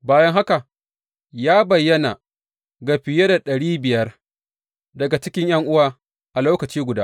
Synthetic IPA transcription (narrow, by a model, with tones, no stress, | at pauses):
baː˦jɐ˦ŋɦa˦ka˨ | jaː˦bɐ˨jːɐ˦na˨ | ɡa˨ɸɪ˨je˦da˨ɗɐ˨ɽiː˦bɪ˨jɐ˦r | dɐ˨ɡa˨t͡ʃɪ˦kʲɪ˦ɲj̰ɐ˦ŋʔʊ˦waː˨ | ʔa˨loː˦kɐ˨t͡ʃiː˦ɡʷʊ˨daː˦